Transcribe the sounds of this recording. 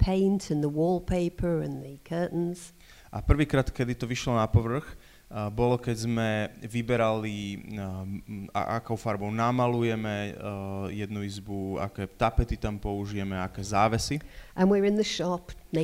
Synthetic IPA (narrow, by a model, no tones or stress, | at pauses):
pʰẽɪ̃ntʰə̃nðəwɔːlˠpʰeɪpʰə˞ə̃nðɨkʰɜˑ˞ʔn̩z̥ | ʔapr̩ʋiːkɾaːt̪kɛd̪it̪ɔʋiʃlɔnapɔʋr̩x | bɔlɔkɛzmɛʋibɛɾali | a̰ʔa̰kɔʊfaɾbɔʊnamalujɛmɛ | jɛd̪nuizbua̰kɛːt̪apɛt̪it̪ampɔuʒijɛmɛaakɛːzaːʋɛsiʔə̃nwɪɹɪ̃nðəʃɑpne